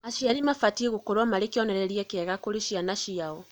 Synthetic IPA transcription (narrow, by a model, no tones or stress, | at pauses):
aʃiaɾimafatieɣokoɾwamaɾekjɔnɛɾɛɾiɛkɛɣakoɾiʃianaʃiaɔ